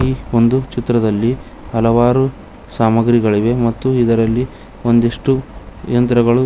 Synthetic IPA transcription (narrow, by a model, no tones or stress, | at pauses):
iːo̞nd̪ut͡ʃit̪ɾɐd̪ɐlːi | ɦɐlɐʋaːɾu | saːmɐɡɾiɡɐɭiʋe̞mɐt̪ːuid̪ɐɾɐlːi | o̞nd̪eʂʈujɐnt̪ɾɐɡɐɭu